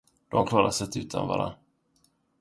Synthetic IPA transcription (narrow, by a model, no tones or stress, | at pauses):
d̪̥ɔmkʰlɑːɾasɛt̪ʉ̟ːt̪ʰanvɑ̰ːɾa̰